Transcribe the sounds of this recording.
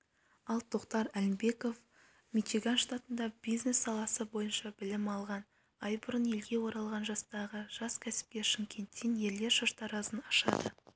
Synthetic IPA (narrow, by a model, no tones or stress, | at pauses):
ɑlˠt̪ʰo̞qt̪ɑɾælɪnbe̞ko̞f | mʲikt͡ʃiɡʲanʃt̪ɑt̪ənd̪ɑb̥ijzne̞sːɑlˠɑsəbo̞jənʃɑbɪlɪmɑlˠʁɑn | ɑjbʊɾənje̞lɡʲe̞wo̞ɾɑlˠʁɑnʒɑst̪ɑʁəʒ̥ɑskʲʰæsɪ̥p̚kʲe̞ʃɪmkʲʰe̞nt̪ijnje̞ɾle̞ɾʃʊʃt̪ɑɾɑzənɑʃɑ̰d̪ə